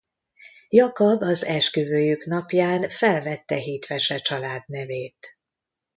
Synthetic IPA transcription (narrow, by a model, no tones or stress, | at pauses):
jɒkɒbɒzɛʃkøvøːjyknɒpjaːnfɛlvɛt̪ːɛɦiːt̪ʋɛʃɛt͡ʃɒlaːd̪nɛveːt̪